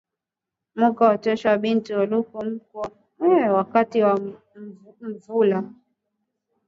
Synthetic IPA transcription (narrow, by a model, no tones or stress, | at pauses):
mukaɔt͡ʃɛʃaaɓintiɔlukum̩kɔ | ɛwakatiwa | m̩vula